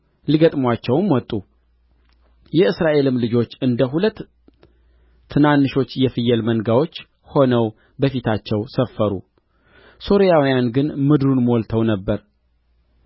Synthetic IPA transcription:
liɡət̪ʼmwat͡ʃːɛwmwɔt̪ʼːu | jɛɨsɾaʔe̞lɨmlɨd͡ʒo̞t͡ʃːɨnd̪əɦulət̪ː | ɨnanːɨʃo̞t͡ʃːjɛfɨjːɛlmənɡawo̞t͡ʃː | ho̞nəw | bəfit̪ʰat͡ʃːɛwsəfːəɾṵ | so̞ɾijawijanɡɨnmɨd̪ɾunmo̞lt̪ʰəwnəbːəɾ

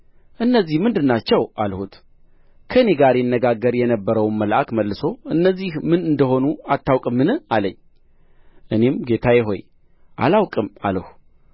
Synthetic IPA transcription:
ʔɨnːəzːihmɨnd̪ɨnːat͡ʃːɛwʔalhut̪ | kʰəɨne̞ɡaɾjɪnːəɡaɡːəɾjɛnəbːəɾəwnməlʔakməlːɨso̞ɨnːəzːihmɨnɨnd̪əɦo̞nuat̪ʰːawkʼɨmːɨnɨaləɲː | ʔɨne̞mɡe̞t̪ʰajɪɦo̞̰j | ʔa̰lawkʼɨma̰ləhu

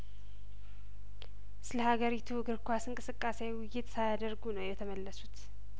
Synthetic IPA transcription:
sɨləhaɡəɾit̪ʰuɡɨɾkʷasɨŋkʼɨsɨkʼːasewwʊjːɪt̪sajad̪əɾɡunəwjɛt̪ʰəməlːəsut̪

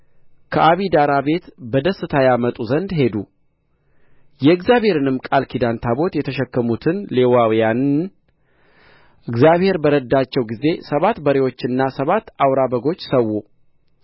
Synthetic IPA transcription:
kʰəʔaβid̪aɾabe̞t̪bəd̪əsːɨt̪ʰajamət̪ʼuzənd̪ɦe̞d̪u | jɛɨɡzjaβhe̞ɾɨnɨmkʼalkʰid̪ant̪ʰabo̞t̪jɛt̪ʰəʃɛkːəmut̪ʰɨnlewawjan | ʔɨɡzjaβhe̞ɾbəɾəd̪ːat͡ʃːɛwɡize̞səβat̪bəɾe̞wo̞t͡ʃːɨnːasəβat̪ːawɾabəɡo̞t͡ʃːsəwːu

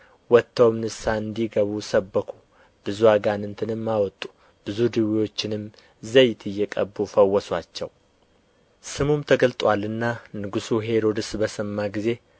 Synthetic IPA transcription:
wɔt̪ʰːəwmnɨsaɨnd̪iɡəβusəbːəkʰu | b̥ɨzuaɡanɨnt̪ʰɨnɨmːawɔt̪ʼːu̥ | b̥ɨzud̪ɨwiwo̞t͡ʃːɪnɨm | zəjt̪ʰɨjːɛkʼəbːufəwːɔswat͡ʃːɛw | sɨmumt̪ʰəɡəlt̪ʼwalɨnːanɨɡusuɦe̞ɾo̞d̪ɨsbəsɨmːaɡize̞

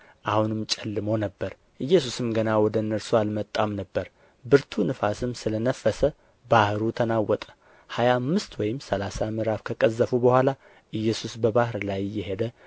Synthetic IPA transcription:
ʔahunɨmt͡ʃʼɛlːɨmo̞nəbːəɾ | ʔɨjːɛsusɨmɡənawɔd̪ənːəɾsualmət̪ʼːamnəbːəɾ | bɨɾt̪ʰunɨfasɨmsɨlənəfːəsə | bahɾut̪ʰənawːɔt̪ʼə̥ | hajaːmːɨst̪wɔjɪmsəlasamɨɾafkʰəkʼəzːəfubəhʷala | ʔɨjːɛsusbəbahɾlajjːɛɦed̪ə

